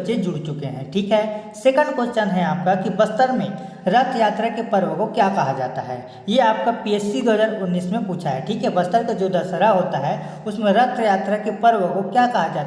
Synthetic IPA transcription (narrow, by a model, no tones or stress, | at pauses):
t͡ʃed͡ʒʊɽt͡ʃʊkeɦɛ̰̃ːʈʰiːkɦɛsekə̃ɳɖkot͡ʃənɦɛ̃aːp̚kakibɐst̪əɾmẽ | ɾɐt̪ʰjaːt̪ɾakepɐɾwəkokjaːkɐɦad͡ʒaːt̪aɦɛ̰ː | jeaːp̚kapiɛːsiɡ̪əd͡ʒəɾʊnːiːsmẽpuːt͡ʃʰaɦɛʈʰiːkɦɛbɐst̪əɾkad͡ʒoːd̪ɐɾsəɾaɦoːt̪aɦɛ | ʊsmẽɾɐt̪ʰjaːt̪ɾakepɐɾʋəkokjakɐɦad͡ʒaːt̪